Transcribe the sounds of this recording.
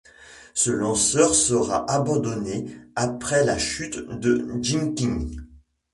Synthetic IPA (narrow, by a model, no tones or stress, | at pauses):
səlɑ̃sœʁsəʁa̰ʔabɑ̃d̪ɔneapχɛlaʃyt̪d̪əd͡ʒiŋkʲiŋ